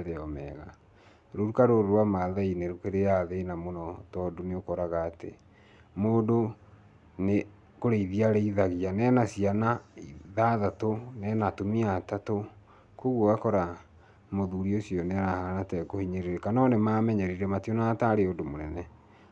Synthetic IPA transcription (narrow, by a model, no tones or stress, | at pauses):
ðeɔmɛːɣa | ɾoɾukaɾoɾoɾwamaðaineɾokeɾejaðenamonɔtɔdoneokɔɾaɣaːtḛ | moːdo | ne | koɾeiðiaɾɛiðaɣianɛnasianaiðaðatonɛnatomiatato | koɣwoakɔɾa | moðuɾiosiɔneaɾahanatɛkohiɲeɾeɾekanɔnemamɛɲɛɾiɾɛmationataɾeodomonɛnɛ